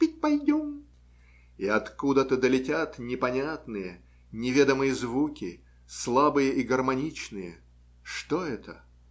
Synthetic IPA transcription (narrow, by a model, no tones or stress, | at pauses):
pʲɪt̚ʲpɐjdʲom | iɐt̪kud̪ət̪əd̪əlʲɪtʲat̪nʲɪpɐnʲat̪nɨjə | nʲɪvʲe̞d̪əmɨjəzvukʲɪ | slˠabɨjəʔiɡərmɐnʲit͡ɕnɨjə̰ | ʂt̪o̞ɛt̪ə